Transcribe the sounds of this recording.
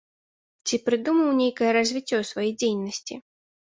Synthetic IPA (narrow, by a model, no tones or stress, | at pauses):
t͡sʲipɾɨd̪umɐwnʲejkɐjɐɾɐzʲvʲit͡sʲːɔsvajijd͡zʲejnɐsʲt͡sʲi